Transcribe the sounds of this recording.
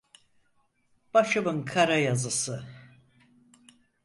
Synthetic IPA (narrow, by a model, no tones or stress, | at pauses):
b̥aʃɨbɨŋkʰaɾajazɨsɨ